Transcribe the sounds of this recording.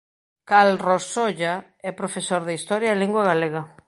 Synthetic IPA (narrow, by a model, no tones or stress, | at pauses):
kalrosoʎa | ɛpɾofesoɾðeist̪ɔɾjaeliŋɡwaɣaleɣɐ